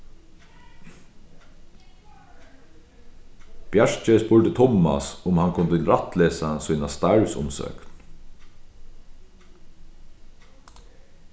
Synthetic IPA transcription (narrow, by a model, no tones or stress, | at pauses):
b̥jaʂt͡ʃəspʊɹt̪ət̪ʰɔmːa̰sʊmhankʰʊnt̪ɪlɾat̪leːsasʊjnast̪aɹsʊ̰msœ̰ːkn